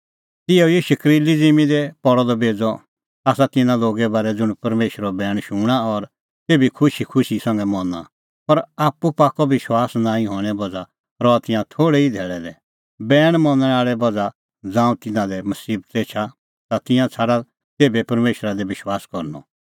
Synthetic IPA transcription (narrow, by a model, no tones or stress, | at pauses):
t̪ɪɛiʃɐkɾilid͡zimĩd̪ɛpɔɽɔd̪ɔbeːd͡zɔ | aːsat̪ɪnãloːɡɛbaːɾɛd͡zʊɽ̃pɐɾmeːʃɾɔbɛːɽ̃ʃuːɽ̃aɔɾ | t̪eːbikʰʊʃikʰʊʃisɐ̃ŋɡɛmɔnã̰ | pɐɾaːpːupaːkɔʋɪʃwaːsnãːĩɦɔːɽ̃ɛbɐd͡za | ɾɔat̪ɪ̃jãt̪ʰoːɽɛid̪ʱɛːɭɛd̪ɛ | bɛːɽ̃mɔ̃nɛ̃aːɭɛbɐd͡za | d͡zãːũt̪ɪnãd̪ɛmɐsiːb̚t̪eːt͡ʃʰa | t̪at̪ɪ̃jãt͡sʰaːɽa | t̪eːbɛpɐɾmeːʃɾad̪ɛʋɪʃwaːskɔɾnɔ̰